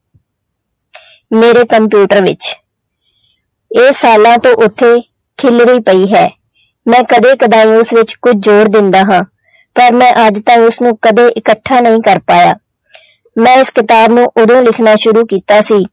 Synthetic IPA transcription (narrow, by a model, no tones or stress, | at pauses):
meːɾeːkəmpjuːʈəɾʋɪ̰t͡ʃ | eːsːaːlãːt̪õːʔʊt̪ʰːeː | kʰɪlɾiːpəiːɦɛː | mɛ̃ːkəd̪eːkəd̪ãːĩːʊsʋɪt͡ʃkʊd͡ʒʰd͡ʒoːɾd̪ɪnd̪aːɦãː | pəɾmɛ̃ːʔəd͡ʒt̪ãːĩːʊsnũːkəd̪eːʔɪkəʈʰːaːnəɦĩːkəɾpaːja̰ː | mɛ̃ːɪskɪt̪aːbnũːʔʊd̪õːlɪkʰnaːʃʊɾuːkiːt̪aːsiː